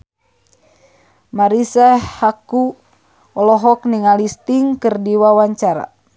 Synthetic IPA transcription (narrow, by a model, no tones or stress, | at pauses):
maɾisahaku | ɔlɔɦɔk̚niŋalist̪iŋkɨrdiwawaɲt͡ʃaɾa̰